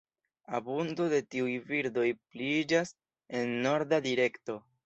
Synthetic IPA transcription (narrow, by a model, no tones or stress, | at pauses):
abundo̞de̞tiujviɾdo̞jplid͡ʒas | e̞nːo̞ɾdadiɾe̞kto̞